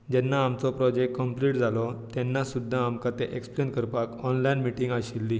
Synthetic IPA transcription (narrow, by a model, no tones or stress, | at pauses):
d͡ʑɛnːaːmt͡sɔpɾɔd͡ʑekʈkːəmpliʈd͡zʱalɔt̪ɛnːasud̪ʱːaːmkat̪eʔeksplenkəɾpakɔnlainmiʈĩŋɡaɕilːi